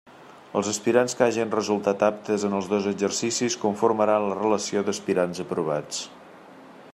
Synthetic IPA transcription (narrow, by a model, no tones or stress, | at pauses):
əlˠzəspiɾanskaʒinrəzulˠt̪at̪ap̚t̪əzənəlˠzðozəd͡ʒərsisiskuɱfuɾməɾanlərələsioðəspiɾanzəpɾuβ̞at͡s